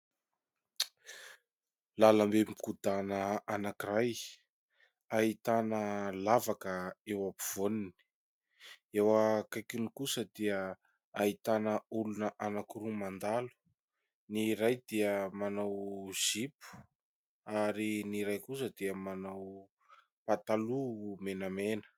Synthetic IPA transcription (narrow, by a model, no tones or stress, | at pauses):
lalambemikud̪anəanakiraj | ait̪anəlavakəewapiv̥onini̥ | ewakajkunikusəd̪iə | ait̪anəulunəʔanakuɾumand̪alu̥ | niɾajd̪iəmanawz̥ipu̥ | aɾiniɾajkusəd̪iəmanaw | pat̪alumenamenə̥